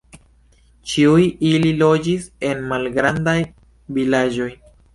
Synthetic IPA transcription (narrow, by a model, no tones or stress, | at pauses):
t͡ʃiujililo̞d͡ʒise̞nmalɡɾandaj | vilad͡ʒo̞j